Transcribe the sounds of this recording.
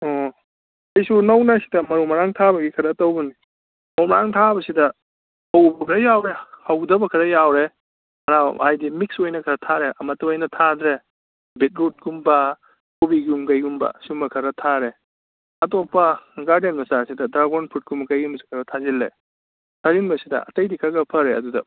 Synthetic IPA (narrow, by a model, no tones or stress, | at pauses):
ɔ | ɐjsunɐwnasi̥dɐmɐɾumɐɾaŋtʰabɐɡikʰɐɾɐtɐwbuni | mɐumɐɾaŋtʰabɐsidɐ | hawbɐkʰɐɾɐjawɾehawdɐbɐkʰɐɾɐjawɾe | ɐnaajdimik̚sojnɐkʰɐɾɐtʰaɾeʔɐmɐtːɐojnɐtʰadɾe | bit̚ɾut̚ɡumbɐ | kʰubiɡumkajɡumbɐ̰sumɐkʰɐɾɐtʰaɾe | ɐtopːɐɡaɾdenmɐsasidɐdɾaɡonpʰut̚ɡumɐkajɡumbɐsi̥kʰɐɾɐtʰazilːḛ | tʰazinbɐsidɐ̰ɐ̰tɐjdikʰaɡɐpʰɐɾeɐ̰dudɐ̰